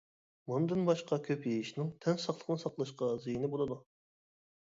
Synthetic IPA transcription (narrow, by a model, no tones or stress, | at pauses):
mund̪ɨnbɑʃqɑkʲʰøpjejiʃnɪŋt̪ʰɛnsɑχlˠə̥qnɨsɑqlˠɑʃqɑzijinɪbolˠɨd̪u